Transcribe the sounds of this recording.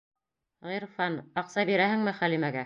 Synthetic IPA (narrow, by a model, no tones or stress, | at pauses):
ʁiɾfɑnɑqsɑbiɾæhɘ̆ŋmɘχælimæɡæ